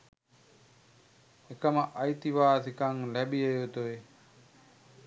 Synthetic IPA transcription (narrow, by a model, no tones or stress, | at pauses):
ekɐmɐʔɐjt̪iʋaːsikaŋlɛɓiejot̪oe